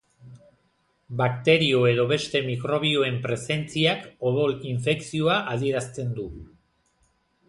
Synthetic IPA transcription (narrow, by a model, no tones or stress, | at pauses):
bakt̪e̞ɾio̞e̞ðo̞βe̞st̪e̞mikɾo̞β̞io̞e̞mpɾe̞se̞nt͡siakoβoliɱfe̞ksio̞aʔað̞ie̞ɾast͡s̪e̞nd̪u